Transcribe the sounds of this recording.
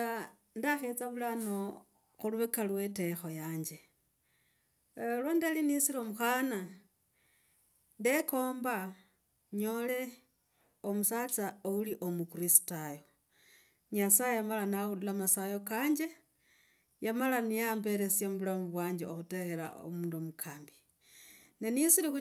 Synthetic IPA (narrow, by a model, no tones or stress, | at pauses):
a | ndaxet͡saβulano | xuluβekalwe̞te̞xo̞jaːɲd͡ʒe̞ | lwondealinisilomuxaːna | nde̞ko̞ːmba | ɲo̞le̞ | omusat͡saouliʔo̞mukuɾisi̥tajo | ɲasajejamalanaɣululamasajo̞kaːɲd͡ʒe̞ | jamalanijaːmbe̞ɾe̞sjamuβulamuβwaːɲd͡ʒeoxute̞xeɾa̰o̰muːndomukʰaːmbi̥ | nenisilixu